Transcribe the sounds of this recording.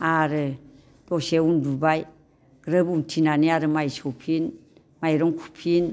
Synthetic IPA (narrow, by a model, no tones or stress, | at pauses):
aɾɯ | d̥ɔseundubaj | ɡ̥ɾɯbuntʰinaniaɾɯmajsɔwpʰin | majɾɔŋkʰu̥pʰin